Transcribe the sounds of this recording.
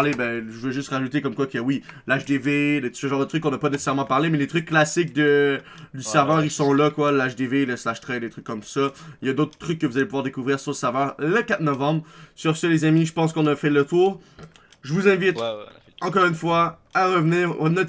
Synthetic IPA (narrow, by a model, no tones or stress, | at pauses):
lebɛ̃ʒəvɛʒyst̪ʁaʒut̪ekɔmkwakəwilaʃd̪evelet̪u̥səʒɑ̃ʁd̪ət̪χykːɔ̃napʌnesesɛʁmɑ̃paʁlemɛlet̪χykːlasɪk̚d̪ə | d̪ysɛʁvœːʁisɔ̃lakwalaʃd̪eveləslaʃt̪χad̪et̪χʏkːɔmsaljad̪ot̪χət̪χykːəvuzalepuvwaʁd̪ekuvʁiːʁsyʁləsɛʁvœːʁləkat̪̚nɔvɑ̃bʁsyʁsəlezamiʒəpɑ̃skɔ̃nafɛlət̪uːʁ | ʒəvuzɛ̃vɪt̪ | ɑ̃kɔʁynfwa | aʁəvniːʁɔ̃nɔ